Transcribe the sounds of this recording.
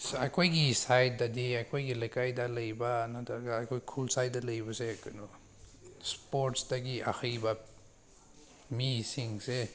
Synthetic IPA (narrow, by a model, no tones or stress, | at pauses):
sakʰojɡisajt̚daɐdiakʰojɡilɐjkajdalɐjbaːnatʰaɾɡaːkʰojkʰulsajtdɐlɐjbɐsekɐno | spoɾtsdaɡia̰xʰɐjba | misiŋse